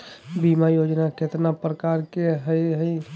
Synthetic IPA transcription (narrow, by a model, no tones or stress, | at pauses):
bimajoːd͡ʒnaket̪napɾəkaːɾkeɦəjɦəj